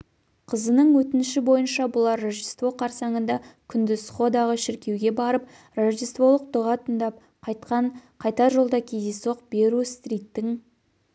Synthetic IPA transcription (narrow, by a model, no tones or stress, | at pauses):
qʰəzənəɴwɵt̪ɪnɪʃɪbo̞jənʃɑbʊlˠɑɾːoʒist̪vo̞qʰɑɾsɑɴənd̪ɑkʲʰʏnd̪ɪsχo̞d̪ɑʁəʃɪɾkʲe̞wɡʲe̞bɑɾəp̚ | roʒijst̪vo̞lˠəq̚d̪ʊʁɑt̪ʰənd̪ɑp̚ | qʰɑjt̪qɑɴqʰɑjt̪ɑʒo̞lˠd̪ɑkʲʰejd̪eso̞q̚be̞ɾust̪rʲijt̪ːɪŋ